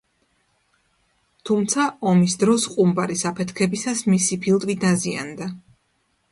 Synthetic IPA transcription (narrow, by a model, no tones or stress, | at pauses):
t̪ʰumt̪sʰaʔɔmisd̪ɾɔsqʼumbaɾisapʰɛt̪ʰkʰɛbisasmisipʰilˠt̪ʼvid̪azia̰nd̪a